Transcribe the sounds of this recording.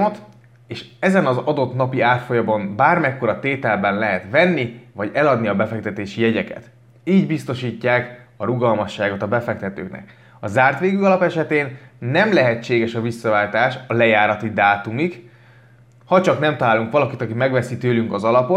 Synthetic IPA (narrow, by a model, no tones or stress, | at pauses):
ot̪ | eːʃɛzɛnɒzɒd̪o̞t̪nɒpiaːrt̪fo̞jɒbɒmbaːrmɛkːo̞ɾɒt̪eːt̪ɛlbɛnlɛɦɛt̪ʋɛnːivɒɟɛlɒd̪niɒbɛfɛk̚t̪ɛt̪eːʃijɛɟɛkɛ̰t̪ | iːɟbist̪o̞ʃiːcːaːkɒɾuɡɒlmɒʃːaːɡo̞t̪ɒbɛfɛk̚t̪ɛt̪ø̰ːknɛ̰k | ɒzaːrt̪ʋeːɡyɒlɒpɛʃɛt̪eːnːɛmlɛɦɛt͡ʃːeːɡɛʃɒvisːɒvaːlt̪aːʃɒlɛjaːɾɒt̪id̪aːt̪umik | hɒt͡ʃɒknɛmt̪ɒlaːluŋkʋɒlɒkit̪ɒkimɛɡʋɛsit̪øːlyŋkɒzɒlɒpo